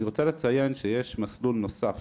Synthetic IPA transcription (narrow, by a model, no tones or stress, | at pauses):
iʁo̞t͡salet͡sajenʃejeʃmaslulno̞saf